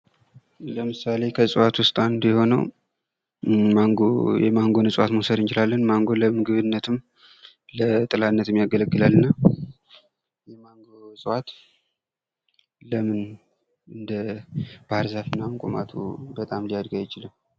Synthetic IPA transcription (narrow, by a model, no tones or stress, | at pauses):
ləmɨsale̞kʰəsʼɨwat̪wʊst̪ʼand̪jɛho̞nəw | aŋɡojɛ̰maŋɡo̞nəsʼwat̪mosəd̪ɨnt͡ʃɪlalːənmaŋɡo̞ləmɨɡɨβɨnːət̪ʰɨm | lət̪ʼɨlanːət̪ɨmjaɡələɡːɨlalːɨnːa | jɛmaŋɡoosʼɨwat̪ | ləmɨn | ɨnd̪əb̥ahɨɾzafinːamkʼoma̰t̪ʰṵbət̪ʼamlijad̪ɡajɪt͡ʃɪlɨm